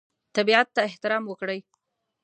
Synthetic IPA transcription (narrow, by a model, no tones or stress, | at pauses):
t̪abiat̪ːaɪht̪ɪɾɑmwəkɽəj